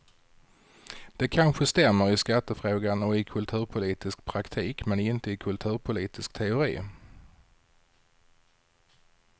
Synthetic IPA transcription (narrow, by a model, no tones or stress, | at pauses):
d̪̥ɛkʰanɧəst̪ɛmːəɾɪskat̪ːəfɾoːɡanɔɪkʰɵlt̪ʰʉ̟ːɾpʰʊliːt̪ɪsk̚pʰɾakt̪ʰiːkmɛnɪnt̪əɪkʰɵlt̪ʰʉ̟ːɾpʰʊliːt̪ɪskt̪ʰɛʊɾḭː